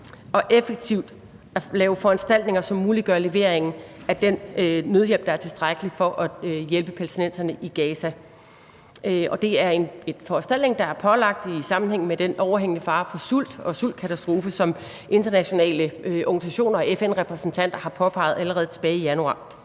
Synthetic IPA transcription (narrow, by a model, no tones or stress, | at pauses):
ʔɒ̽ʔefəɡ̥̚t͡sʰiʊ̰d̥ | ælɛːʊəfɒ̽ænsd̥æl̰d̥ne̝ŋɐsɒ̽mːuːliɡ̥ɶɐle̝ʋe̝ɐ̰eŋn̩æd̥enːøð̞ˠjel̰b̥d̥ɑ̈æɐt͡sʰe̝sd̥ʁaɡ̥əlifɒ̽ʔɒjelb̥əpʰælt͡sʰinen̰sɐnəʔiɡ̥ɛːsæ | ɒ̽d̥e̝æɐe̝ne̝nfɒænsd̥æl̰d̥ne̝ŋd̥ɑ̈æɐpʰɒ̽lɑ̈ɡ̥̚d̥isɑ̈mn̩heŋ̰n̩med̥enʔɒʊɐɦeŋ̰ənəfɑ̈ːfɒ̽sul̰d̥ɒ̽sul̰d̥̚kʰæt͡sʰæsd̥ʁo̝ːfəsɒ̽m | ʔe̝nd̥ɐnæɕo̝nɛ̰ːləøʔɒɡ̥n̩sæɕo̝̰ːnɐɒ̽efenʁɛpʰʁɛsn̩t͡sʰæn̰d̥ɐhɑ̈pʰɒ̽pʰɑ̈ɪ̰ð̩ˠæləʁɛːð̞̩ˠt͡sʰe̝̥b̥ɛːijænuɑ̰̈ː